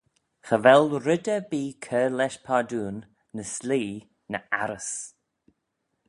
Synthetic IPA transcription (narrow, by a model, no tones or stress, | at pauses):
xəvɛlɾɪd̪əbiːkʰəːlɛʃpʰaːd̪uːnː | əsliː | nəʔaɾəs